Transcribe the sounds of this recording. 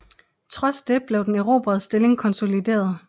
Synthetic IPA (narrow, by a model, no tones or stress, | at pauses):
t͡sʰʁɒ̽sd̥eb̥le̝ʊd̥eneʊʁo̝̰ːb̥ɐðsd̥e̝le̝ŋkʰɒ̽nso̝lid̥e̝̰ːɐð̞ˠ